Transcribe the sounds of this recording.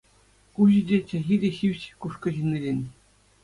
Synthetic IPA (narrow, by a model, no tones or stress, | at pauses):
kuʑĭdʲet͡ɕæ̆ɣʲidʲeɕiʋʲɕkuʂkɤ̆ʑinʲilʲenʲ